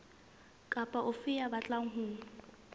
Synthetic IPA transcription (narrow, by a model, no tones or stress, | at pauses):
kʼapʼaʔʊfɪabat͡ɬʼaŋ̩ɦuːŋ̩